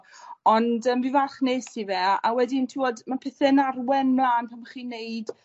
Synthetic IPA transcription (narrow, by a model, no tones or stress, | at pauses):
ɔndəmbivaχneːsivɛawɛdɪntʰiwɔdmapʰɪθɛnarwɛnmlaːnpʰamaχiːnejd̥